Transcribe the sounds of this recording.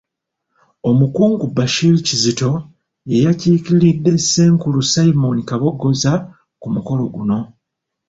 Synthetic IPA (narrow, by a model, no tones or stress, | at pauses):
o̞mukuːŋɡubaʃilicizito̞ | je̞jaciːkiiɾidːe̞se̞ːŋkulusaimo̞nikaβo̞ɡo̞za | kumuko̞lo̞ɡuno̞